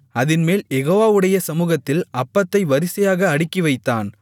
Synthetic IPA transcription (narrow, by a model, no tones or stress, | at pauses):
ɐðɪnmeːljɛɣoːʋaːʋɯɽɐjɐsɐmuːɣɐt̪ːɪlɐpːɐt̪ːɐɪʋɐɾɪsɐjaːɣɐːɽɪkːɪʋɐɪt̪ːaːn